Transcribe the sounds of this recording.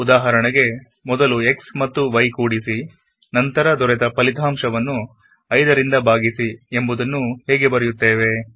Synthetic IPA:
ud̪aːɦɐɾɐɳɐɡe̞ | mɔd̪ɐlue̞ksmɐt̪ːuʋɐjkuːɽisi | nɐnt̪ɐɾɐd̪ɔɾɛt̪ɐpɐlit̪ʰaːmʂɐʋɐnːu | ɐjd̪ɐɾind̪ɐbʱaːɡisiembud̪ɐnːuhɛːɡe̞bɐɾejut̪ːeːʋe̞

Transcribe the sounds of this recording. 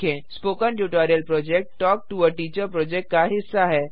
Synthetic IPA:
ẽspokənʈjuʈɔɾijəlpɾɔd͡ʑek̚ʈʈɔk̚ʈuəʈit͡ɕəpɾɔd͡ʑekʈ̚kaɦisːaɦɛ

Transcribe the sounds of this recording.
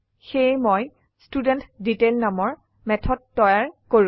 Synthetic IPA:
xejmɔj | studɛntditelnamɔɹ | mɛtʰɔd̚tɔjaɹkoɹ

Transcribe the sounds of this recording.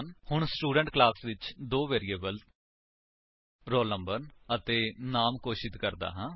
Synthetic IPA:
nhʊɳ̃sʈuːɖə̃ɳʈklaːsʋɪt͡ʃd̪oːʋeːɾieːbəl | ɾoːlnə̃mbəɾnət̪eːnaːmkoːʃɪd̪kəɾd̪a̰ːɦãː

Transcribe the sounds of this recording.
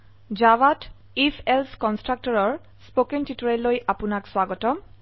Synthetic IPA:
d͡ʒawat | ifʰɛlskɔnstɹak̚tɔɹɔɹ | spokentitɔɹɛlːojʔapʊnakswaɡɔtɔm

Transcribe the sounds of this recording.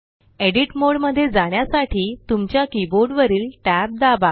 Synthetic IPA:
eɽiʈmoɽməd̪ʱːjed͡zaɳ̃jasaʈʰiːt̪umt͡ɕjakiboɾɖʋəɾiːlʈæb̚d̪aba

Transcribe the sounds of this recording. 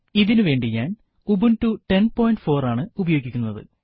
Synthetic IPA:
iðinɨʋe̞ːɳɖiɲaːn | ubunʈuʈe̞npo̞ːjɳɖfo̞ːraːɳɨubɐjo̞ːɡːikʲːunːɐðɨ̰

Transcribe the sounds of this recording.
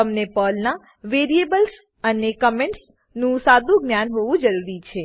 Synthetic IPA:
əmnepɔlna | ʋeɾiebəls | ənekəmẽɳʈs | nũsad̪ʱũɡnjanɦoʋũd͡ʒəɾuɾit͡ʃʰe

